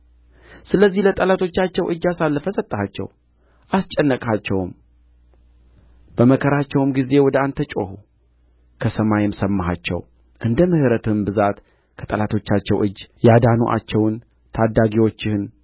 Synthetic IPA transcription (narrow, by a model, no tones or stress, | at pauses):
sɨləzːihlət̪ʼəlat̪ʰo̞t͡ʃːat͡ʃːɛwʔɨd͡ʒːasalːəfəsət̪ʼːəhat͡ʃːɛ̰w | ʔast͡ʃʼɛnːəkʼat͡ʃːɛwm | b̥əməkʰəɾat͡ʃːɛwmɡize̞wɔd̪əant̪ʰət͡ʃʼo̞̰hu | kʰəsəmajɛmsəmːaɦa̰t͡ʃːɛ̰w | ʔɨnd̪əmɨhɨɾət̪ʰɨmbɨzat̪ | kʰət̪ʼəlat̪ʰo̞t͡ʃːat͡ʃːɛwʔɨd͡ʒːjad̪anuʔa̰t͡ʃːɛwn | t̪ʰad̪ːaɡiwo̞t͡ʃːɪhɨn